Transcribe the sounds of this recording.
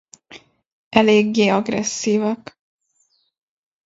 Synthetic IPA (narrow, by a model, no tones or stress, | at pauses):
ʔɛleːɡːeːɒɡrɛ̰sːiːvɒk